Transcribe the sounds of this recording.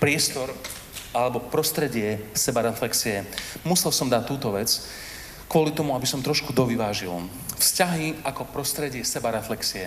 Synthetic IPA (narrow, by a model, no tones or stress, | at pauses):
pɾɪɛst̪ɔɾ | alɛbɔpɾɔst̪ɾɛɟɪɛsɛbaɾɛflɛksiɛmusɛlsɔmd̪ac̚t̪ːuːt̪ɔʋɛt͡s | kʊɔlit̪ɔmuabisɔmt̪ɾɔʃkud̪ɔʋiʋaːʒil | fscaɦiakɔpɾɔst̪ɾɛɟɪɛsɛbaɾɛflɛksiɛ